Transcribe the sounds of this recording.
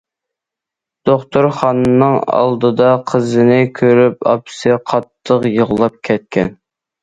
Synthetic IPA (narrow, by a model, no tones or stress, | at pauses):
d̪̥oχt̪uɾχɑnɨnɨŋɑ̰lˠd̪ɨd̪ɑqʰəzɨnɪkʲʰøɾypɑ̰psɨqʰɑt̪ʰːəqjəʁlˠɑp̚kʲʰɛt̪̚kʲʰɛn